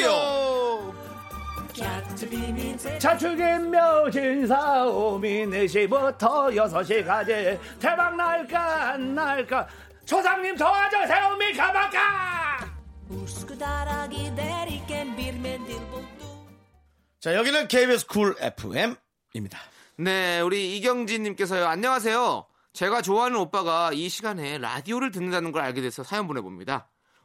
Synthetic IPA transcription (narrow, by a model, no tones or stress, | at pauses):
o | a | t͡ɕʰat͡ɕʰuɡimːjʌd͡ʑins̬ʰaomineɕ̬ʰibutʰʌjʌs̬ʰʌɕ̬ʰikad͡ʑe | tʰebaŋnaɭk͈anːaɭk͈a | t͡ɕʰosʰaŋɲimtʰʌad͡ʑasʰeɾomikamak͈a | uskɯdaɾaɡineɾik͈enbiɾmendibot̪͈o | t͡ɕajʌɡinɯnkʰeibesʰɯ̥kʰuɭḛpʰɯ̰em | imɲida | ne̞uɾiːɡjʌŋd͡ʑiɲimk͈e̞s̬ʰʌjoaɲːʌŋas̬ʰe̞jo | t͡ɕe̞ɡat͡ɕoaɦanɯnop͈aɡaiɕʰiɡane̞ɾa̰dioɾɯɭt̬ɯnːɯndanɯnɡʌɾaɭɡedwesʰʌsʰajʌŋbonɦe̞bo̰mɲḭda